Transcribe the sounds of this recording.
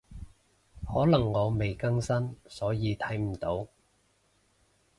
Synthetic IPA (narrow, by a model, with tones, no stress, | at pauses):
hɔː˨˥lɐ˨˩ŋːɔː˨˧me˨jkɐ˥ŋsɐ˥nsɔː˨˥jiː˨˧t̪ʰɐ˨˥jm̩˨˩t̪o˨˥w